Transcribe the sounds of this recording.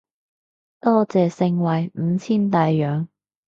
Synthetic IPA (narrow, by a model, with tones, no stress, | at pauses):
t̪ɔː˥t͡sɛː˨sɪ˧ŋwɐ˨˩jm̩˨˧t͡sʰiː˥nt̪aː˨˧jːœː˨˧ŋ